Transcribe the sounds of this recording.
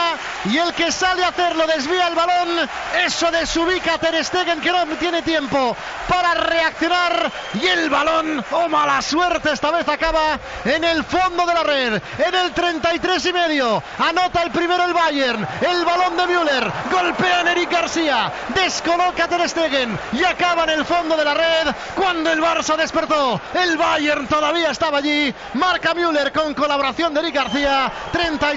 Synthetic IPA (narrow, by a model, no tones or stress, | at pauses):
ie̞lke̞saleaθeɾlo̞ðe̞zβiaelβalo̞n | e̞soðe̞suβ̞ikat̪eɾest̪eɣeŋke̞not̪je̞net̪je̞mpo̞ | paɾare̞akθjo̞naɾ | ie̞lβalo̞nomalaswe̞ɾt̪eest̪aβe̞θakaβa | ene̞lfo̞nd̪o̞ðe̞lare̞ð | ene̞lt̪ɾe̞nt̪ajt̪ɾe̞s̬ime̞ðjo | ano̞t̪aelpɾime̞ɾoelβaʝeɾnelβalo̞nd̪e̞mjule̞ɾɡo̞lpe̞ane̞ɾik̚ɡaɾθia | d̪e̞sko̞lo̞kat̪e̞ðest̪eɣeniakaβaene̞lfo̞nd̪o̞ð̞e̞lare̞ð | kwand̪o̞elβaɾsaðe̞spe̞ɾt̪o̞elβaʝeɾnt̪o̞ðaβ̞iae̞st̪aβaːʝi | maɾkamjule̞ɾko̞ŋko̞laβo̞ɾaθjo̞nd̪eɾik̚ɡaɾθia | t̪ɾe̞nt̪a